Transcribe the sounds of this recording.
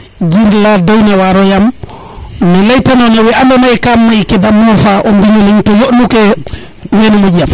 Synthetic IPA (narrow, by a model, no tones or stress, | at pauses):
d͡ʒindladɔjnawaɾɔjam | nɛlajtanɔnawɛʔandɔnajkamːajkɛdamɔfaʔɔmbiɲolintɔjoʔnukɛ | wɛnɔmɔɟam